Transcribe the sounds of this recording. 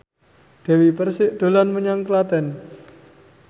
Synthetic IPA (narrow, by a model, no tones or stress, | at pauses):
d̪̥ɛ̤wipərsɪʔd̪̥o̤lanməɲaŋkəlad̪ɛ̤n